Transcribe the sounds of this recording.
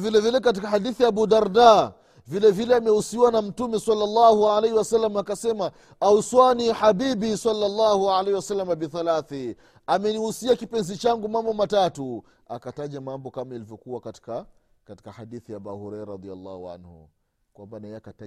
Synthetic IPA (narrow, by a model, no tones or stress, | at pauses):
vilɛvilɛkat̬ikahadiθijaːbudaɾda | vilɛvilɛamɛhusiwanam̩tumɛsalːalːahualejhiwasalːamaakasɛma | auswaniħabibisalːalːahualahiwasalːamabiθalaθi | amɛnihusiakipɛnzit͡ʃaŋɡumambɔmatatu | akataʄamambɔkamailivjɔkuwakati̥ka | kati̥kahadiθijabahɔɾɛɾɾɑd̪ia̰lːa̰hua̰nhṵ | kwambanaɛakaa